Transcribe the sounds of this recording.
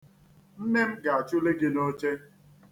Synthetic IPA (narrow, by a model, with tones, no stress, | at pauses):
n̩˦ne˦m̩˦ɡa˨a˨t͡ʃʊ˦le˦ɡɪ˦no˦t͡ʃe˦